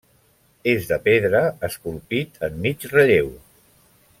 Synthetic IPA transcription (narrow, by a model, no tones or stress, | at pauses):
ezðəpeðɾəəskulˠpit̪ʰəmːit͡ʃrəʎew